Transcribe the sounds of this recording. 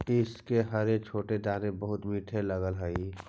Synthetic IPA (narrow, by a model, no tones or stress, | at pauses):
ɪskeɦɐɾek̚t͡ʃʰoːʈed̪aːnẽbəɦʊt̪miːʈʰeləɡəlɦəi